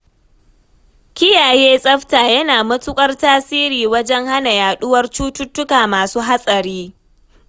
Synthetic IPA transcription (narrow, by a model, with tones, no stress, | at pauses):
kʲɪ˦jaː˨jeː˦sʼɐ˦ɸtaː˨jɐ˦naː˨mɐ˦tʼʊ˦kʷʼɐ˦rtaː˦siː˦ɾiː˨wɐ˦d͡ʒɛ˦ŋha˦na˨jaː˨ɗʊ˦wɐ˦rt͡ʃuː˦tʊ˦tːʊ˦kaː˨maː˨suː˦ɦa˦sʼɐ˨ɾiː˦